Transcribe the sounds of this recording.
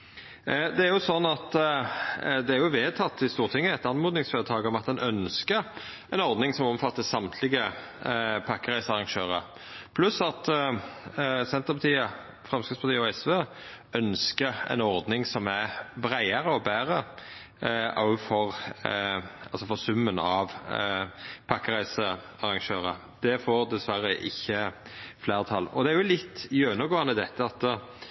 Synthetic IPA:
d̪ɛæɾjʊsɔnːɑt̪ | d̪ɛæɾjʊʋeːd̪̚t̪ʰɑt̪ːɪst̪uːʁt̪ʰɪŋːəɛt̪ɑnmoːd̪nɪŋsføːɾət̪ʰɑːɡɔmɑt̪̚d̪ɛnʔœnskəɾ | ɛnɔɾd̪nɪŋsɔmɔmfɑt̪ːəsɑmt̪ʰlɪɡə | pʰɑkːəʁæɪsɑʁɑŋʃøːʁə̰ | pʰlʉsɑt̪ | sɛnt̪əpɑt̪ʰiːə | fʁɛmskətspɑt̪iːəɔɛsʋe | œnskəɛ̰ɪnɔɾd̪nɪŋsɔmæbɾæɪɑɾəɔbæːʁə | ɑ̰fɔʁ | ɑlsɔfɔʁsʉmːənɑʋ | pʰɑkːəʁæɪsə | ɑɾɑŋʃøːʁə | d̪̥ɛfoːɾd̪ɛsʋæɾəʔɪ̰çːə | fleːʁt̪ʰɑlːɔ̰d̪ɛæɾjʊlɪt̪ːjøːnəɡoːɑnəd̪ɛt̪ːəɑt̪

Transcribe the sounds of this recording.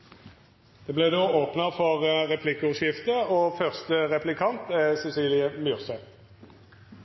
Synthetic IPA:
d̪̥eːbleːd̪oːoːpnəʁfɔʁʁɛpʰlɪkːʊʃɪft̪əoːfœʁst̪əʁɛplɪkʰɑnt̪ɛsɛsiːlɪəmyʁsɛt̪

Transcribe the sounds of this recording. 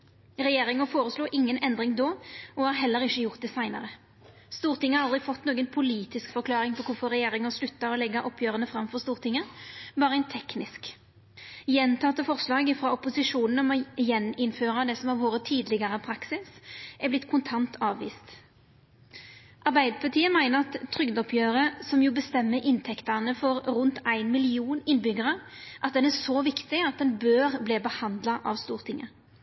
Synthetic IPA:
ʁɛjeːɾɪŋəfoːʁəsluːʔɪŋːənʔɛnd̪ʁɪŋd̪oːɔɑːɾɦɛlːəɾɪçːəjʊʁt̪̚d̪ɛsæɪnə̰ʁə | st̪uːʁt̪ɪŋːəɑɾɑld̪ʁɪfɔt̪ːnoːɡənpʰʊliːt̪ɪskfɔʁkʰlɑːʁɪŋpʰɔkʰʊfɔʁɛjeːʁɪŋəslʉt̪ːɑɔlɛɡːɑʔɔpʰjøːʁənəfʁɑmfɔʁst̪uːʁt̪ɪŋːəbɑːʁəɛɪnt̪ʰɛknɪsk | jɛnt̪ʰɑt̪əfɔʁslɑːɡɪfʁɑɔpʊsɪʂuːnən̩ɔmɔjɛnɪnføːʁɑd̪ɛsɔmɑʋoːɾət̪ʰiːd̪lɪɡəʁəpʰɾɑksɪsʔæblɪt̪ːkʰʊnt̪ʰɑnt̪ʰɑːʋʋḭːst̪ | ʔɑʁbæɪd̪əpʰɑt̪ʰiːəmæɪnəʁɑt̪ʰːʁʏɡd̪ɔpʰjøːʁəsɔmjuːbəst̪ɛmːəʔɪnt̪ʰɛkt̪ənəfɔʁɾʊnt̪æɪnmɪlɪuːnɪnːbʏɡəʁə | ʔɑt̪̚d̪ɛnæsɔʋɪkt̪ɪɑt̪̚d̪ɛnbøːʁbleːbəhɑnd̪lɑʔɑ̰ʋst̪uːʁt̪ʰɪŋːə̰

